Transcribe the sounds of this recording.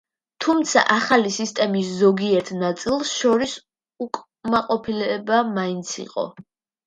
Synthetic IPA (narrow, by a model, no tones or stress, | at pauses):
t̪ʰumt̪sʰa̰ʔaχalisist̪ʼɛmiszɔɡiɛɾt̪ʰnat̪sʼilˠsʃɔɾis | ukʼ | maqʼɔpʰilɛbamaint̪sʰḭqʼɔ̰